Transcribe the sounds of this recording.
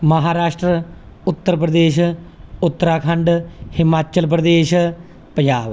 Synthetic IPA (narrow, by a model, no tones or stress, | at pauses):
məɦaːɾaːʃʈɾə | ʊt̪ːəɾpɾəd̪eːʃʊt̪ːəɾaːkʰəɳɖhɪmaːt͡ʃəlpɾəd̪eːʃ | pd͡ʒaːʋ